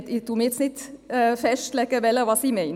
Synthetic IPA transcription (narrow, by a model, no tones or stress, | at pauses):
t̪ɪt̪umɪt̪snɪt̪fɛʃt̪lɛkəʋɛləʋɑsimɛɪn